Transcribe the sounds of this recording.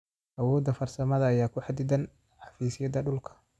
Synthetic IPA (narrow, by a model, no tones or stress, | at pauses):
ʔɐwɔːd̪ːɐfɐrsɐmɐðɐːjaːkʰʊħɑd̪ɪd̪ɐn | ħɑfiːsɪjɐd̪ɐɖʊlkʰɐ̥